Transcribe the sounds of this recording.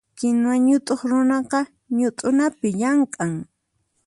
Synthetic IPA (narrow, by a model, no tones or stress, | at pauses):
kɪnwaɲʊt̪ʼoχɾʊnɑqɑ | ɲʊt̪ʼʊnapɪʎaɴkʼaŋ